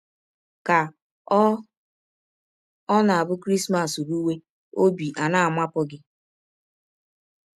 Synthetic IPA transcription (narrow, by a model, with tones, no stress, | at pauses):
ka˨˦ | ɔ˦na˨a˨bʊ˦kɾi˦sma˨su˨ɾu˦we˦ | o˦bi˨ʔa˨na˦a˨mʷa˦pɔ˦ɡɪ˦